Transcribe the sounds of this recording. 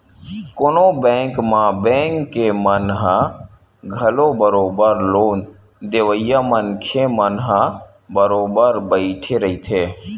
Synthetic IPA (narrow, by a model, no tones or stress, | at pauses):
konobɛ̃ŋkmãbẽːŋkːemənɦə | ɡʱəlobəɾoːbəɾloːn | d̪eʋəɪjamənkʰemənɦə | bəɾoːbəɾbəɪʈʰeɾəɦit̪ʰeː